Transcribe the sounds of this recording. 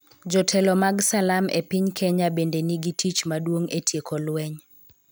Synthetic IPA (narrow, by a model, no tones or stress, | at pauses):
d͡ʒɔtʰɛlɔmaɡsalamḛpiɲkʰɛɲabendeniɡitʰit͡ʃmadwoŋetʰjekɔlwɛɲ